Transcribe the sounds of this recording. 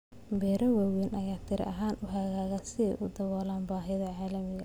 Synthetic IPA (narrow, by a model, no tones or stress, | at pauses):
bɛːɾɐwaːwɛnʔɐjaːt̪ʰɪɾɛ̰ʔɐɦaːnʊɦɐɣaːɣɐsɪɛ̰jʔʊd̪ɐwɔːlaːnbaːɦɪðɐʕaːlɐmɪɣɐ̰